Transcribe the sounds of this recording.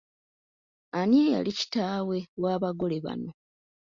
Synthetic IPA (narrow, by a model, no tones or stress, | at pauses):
anieja̰lici̥taːwe̞waːβaɡo̞le̞βa̰no̞